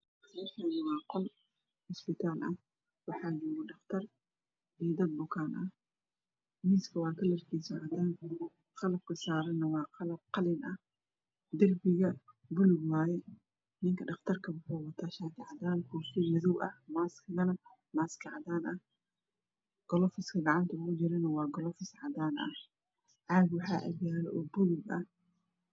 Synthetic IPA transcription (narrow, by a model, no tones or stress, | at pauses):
ɛfɐnɐwɑːqɔl | ʊsbɪt̪ʰaːlʔɐh | wɑħɑːd͡ʒuːnɪɖɑχt̪ʰɐr | ɛːd̪ɐd̪̚bʊkʰaːnʔɐh | miːskʰɐwɑːkʰɐlɐrkʰisɐʕad̪aːŋk | qɑlɐb̚kʰʊsaːɾɛnɐwɑːqɑlɐb̚qɑlɪnʔɐ | d̪ɐrbɪɣɐ | bʊlʊɡwaːjɛ | nɪŋkʰɐɖɑχt̪ʰɐrkʰɐwʊħɔːwɐt̪ʰaːʃaːt̪ʰɪʕɑd̪aːnkʰɔːfɪmɐðɔwʔɐ̰hmaːskʰɐɣɐnɐ | maːskʰɑʕd̪aːnʔɐh | ɡ̥ɔlɔfɪskʰɐɡɑʕɑnt̪ʰɐʊɣʊt͡ʃɪɾɛnɐwɑːɡɔlɔfɪsʕɑd̪aːnʔɐ̰ | ʕaːɡwɑħɑːʔɐ̰ɡjaːlɛʔɔːbʊlʊɡɐh